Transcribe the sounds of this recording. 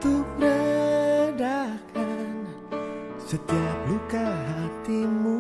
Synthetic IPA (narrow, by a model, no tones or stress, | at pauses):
t̪upɾə | dakʰan | sət̪iap̚lukaɦat̪imu